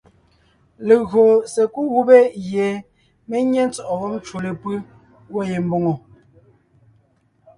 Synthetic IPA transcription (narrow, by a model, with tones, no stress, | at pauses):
le˨ɣɰo˨se˨ku˦ɣu˦be˦je˨ | me˦ɲe˦n˦t͡sɔ˨ʔɔ˨ɣɔ˦mn˦t͡ʃu˨le˨pɯ˦ | wo˦˨je˨m̩˦bo˦ŋo˨